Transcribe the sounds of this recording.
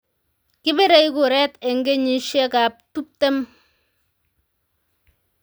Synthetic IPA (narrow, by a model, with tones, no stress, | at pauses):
kɪ˦be˦ɾɛ˦jko˨ɾɛ˦tɛ˨ŋɡe˦ɲi˨ʃjɛ˦ka˨p̚tu˦p̚tɛ˦m